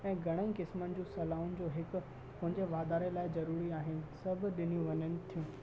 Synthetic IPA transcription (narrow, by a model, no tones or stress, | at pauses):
ɛ̃ːɡʱɐɽ̃əĩkɪsmənɪ̆d͡ʑũːsɐlaːʊnɪ̆d͡ʑoːɦɪk̆ | pɐ̃ɦɪ̃ɲd͡ʑeʋaːd̪aːɾelaːɪzɐɾuːɾiaːɦɪnɪ̆sɐb̆ʱɗɪnijũʋɐɲənɪ̆t̪ʰijũː